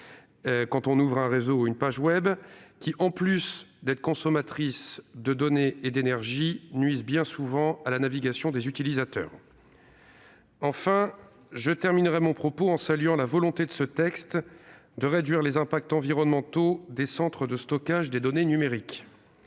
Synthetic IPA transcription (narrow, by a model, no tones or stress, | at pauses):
kɑ̃t̪ɔ̃nuvʁɛ̃ʁezoynpaʒwɛbkʲiʔɑ̃plysd̪ɛt̪χə̥kɔ̃sɔmat̪χisd̪əd̪ɔneːd̪enɛʁʒinɥizbjɛ̃suvɑ̃alanaviɡasjɔ̃d̪ezyt̪ilizat̪œ̰ːʁ | ɑ̃fɛ̃ | ʒət̪ɛʁminʁɛmɔ̃pχɔpoɑ̃salɥɑ̃lavɔlɔ̃t̪ed̪əsət̪ɛkst̪d̪əʁed̪ɥiʁlezɛ̃pak̚t̪ɑ̃viʁɔnmɑ̃t̪od̪esɑ̃t̪χəd̪əst̪ɔkaʒd̪ed̪ɔnenymeʁik